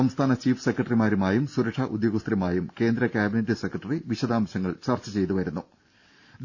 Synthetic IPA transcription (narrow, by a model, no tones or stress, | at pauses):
ɐmst̪ʰaːnɐt͡ɕiːfɨ̥sekːrɐʈɐrimaːɾumaːjumsuɾɐkʂɐʔud̪joːɣust̪ɾɐmaːjumke̞ːnd̪ɾɐkjaːbinetːɨsekːrɐʈːɐriʋiɕɐd̪aːmɐɕɐŋːɐɭt͡ɕɐrt͡ɕɐt͡ɕe̞jt̪uʋɐɾunːu | d̪